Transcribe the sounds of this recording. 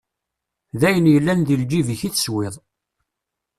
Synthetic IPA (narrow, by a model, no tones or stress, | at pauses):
ðæjənjəlːænðild͡ʒiviçiθswɪðˤ